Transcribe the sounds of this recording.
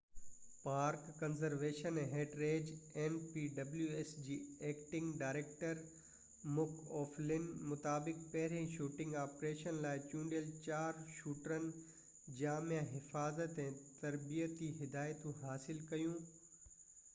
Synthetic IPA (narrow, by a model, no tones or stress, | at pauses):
paːɾkːɐnzəɾʋeːʃənɦeːɖɾeːd͡ʑenpiːɖɐbljuesd͡ʑiːeːkʈɪ̃ŋɡɖaːɾeːk̚ʈəɾ | mʊkʰɔːflɪnmʊt̪aːbɪkpɐɦɪɾẽʃuːʈɪ̃ŋɡaːpɾeːʃənlaːɪt͡ɕũːɳɖijəlt͡ɕaːɾʃuːʈɾənɪ̆ | d͡ʑaːmjãɦɪfaːzət̪ɛ̃ːt̪ɐɾbijət̪iɦɪd̪aːɪt̪ũɦaːsɪlkɐjũː